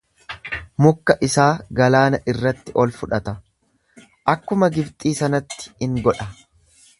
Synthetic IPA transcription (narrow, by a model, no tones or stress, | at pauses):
mʊkːɐʔɪsaːɡɐlaːnɐʔɪrːɐt̪ːɪʔɔlfʊᶑɐt̪ɐ | ʔɐkːʊmɐɡɪbt̪ʼiːsɐnɐt̪ːɪ̥hɪŋɡɔᶑɐ